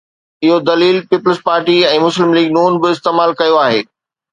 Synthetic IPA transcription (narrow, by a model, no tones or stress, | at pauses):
ɪɦod̪ɐliːlpiːpəlspaːɾʈiɛ̃ːmʊslɪmliːɡnuːnbɪɪst̪eːmaːlkɐjoaːɦḛː